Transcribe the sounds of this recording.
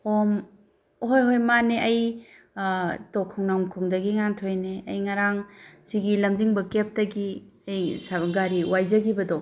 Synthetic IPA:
hom | hojɦojmaneʔɐj | tokʰɔŋnawmkʰɔŋdɐɡiŋaŋtʰojneɐjŋaɾaŋsiɡilɐmdiŋbɐkep̚dɐɡi | ɐjsaɡaɾiwajzɐɡibɐdo

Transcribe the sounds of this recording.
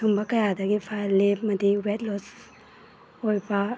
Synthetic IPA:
uŋbɐkɐjadɐɡipʰajlep̚mɐdiwet̚lɔs | ojbɐ

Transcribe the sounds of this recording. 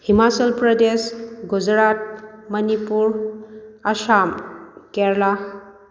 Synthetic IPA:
himat͡ʃəlpɾɔdesɡud͡ʒɾat̚mɐnipuɾ | asamkɛɾla

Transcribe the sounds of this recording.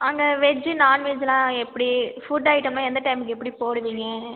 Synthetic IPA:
ɐŋɡɐʋɛd͡ʒːɯnaːnmeːd͡ʒɐlãːɛpːɐɽifuɖaːɪʈːɐmnãːɛnd̪ɐʈɐɪmɯkːɛpːɐɽipoːɽɯʋiːŋɡɐ

